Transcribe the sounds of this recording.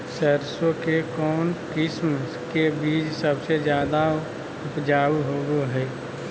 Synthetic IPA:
səɾsõkekɔːnkɪsm | kebiːd͡ʒsəbsed͡ʒjaːd̪a | ʊpd͡ʒaːwɦoːɡoɦɛː

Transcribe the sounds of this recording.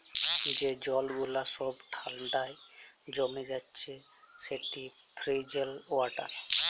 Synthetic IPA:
d͡ʒed͡ʒɔlɡulasɔbʈʰanɖaj | d͡ʑɔmed͡ʒatːɕʰe | seʈi | pʰɾid͡ʒelaʈa̰ɾ

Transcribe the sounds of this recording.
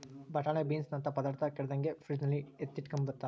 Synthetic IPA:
bɐʈaːnebiːnsnɐnt̪ɐpɐd̪aːɾt̪ʰɐkɛɽɛd̪ɐŋɡepʰɾid͡ʒnɐlːiet̪ːiʈkɐmbɐt̪ːa

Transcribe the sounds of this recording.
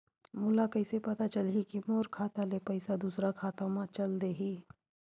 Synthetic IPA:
mʊlakɐɪsepɐt̪at͡ʃɐlɦikimoːɾkʰaːt̪alepɐɪsad̪uːsɾakʰaːt̪õmãt͡ʃɐld̪eɦiː

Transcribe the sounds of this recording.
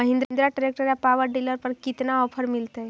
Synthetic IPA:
əɦĩnd̪ɾnd̪ɾaʈɾek̚ʈəɾjapaʋəɾɖiləɾpəɾkit̪naɔpʰəɾmilt̪əj

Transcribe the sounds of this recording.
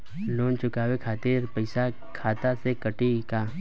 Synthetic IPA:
loːnt͡ʃʊkaːwekʰaːt̪iːɾpɐɪsa | kʰaːt̪asekɐʈikaː

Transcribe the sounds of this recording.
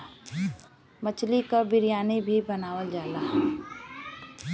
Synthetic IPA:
mət͡ʃlikabɪɾijaːnebʱibənaːwəld͡ʒaːlaːɦ

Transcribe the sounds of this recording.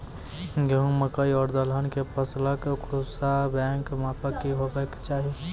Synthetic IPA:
ɡeɦũməkəiɔɾd̪ələnkepəsləkkʰɾusabɛ̃ŋkmapəkːiɦobɛkt͡ʃaːɦi

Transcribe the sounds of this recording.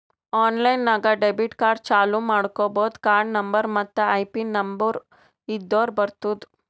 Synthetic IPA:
aːnlɐjnːaːɡɐɖebiʈkaːɾɖ̚t͡ʃaːlumaːɽkoːboːd̪kaːɾɖnɐmbɐɾmɐt̪ːɐɐjpinɐmbɐɾ | id̪ːoːɾbɐɾt̪uːd̪u

